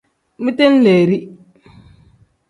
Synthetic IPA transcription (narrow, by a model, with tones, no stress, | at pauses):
mi˦te˦n˦le˨ɾi˦